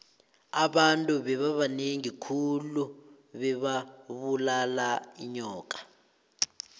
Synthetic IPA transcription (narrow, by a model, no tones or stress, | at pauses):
aɓantʼuɓɛβaβaneŋikʰulu | ɓɛβaβulalaiɲɔːk̬ʼḁ